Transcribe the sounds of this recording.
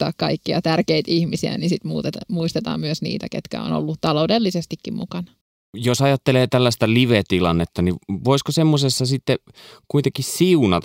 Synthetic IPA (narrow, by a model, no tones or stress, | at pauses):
ɑ̰ːkkɑikːiɑt̪ærkeit̪ihmisiæ̰nisit̪mṵːt̪et̪muist̪et̪ɑ̰ːmmyøsnḭːt̪ækḛt̪kæ̰o̰no̰lːutt̪ɑloudelːisest̪ikːimmukɑnɑ | josɑjɑt̪ːeleːt̪ælːæst̪æliʋet̪ilɑnːet̪ːɑniʋoiskosemːosesːɑsit̪ːekuit̪eŋkissiunɑt̪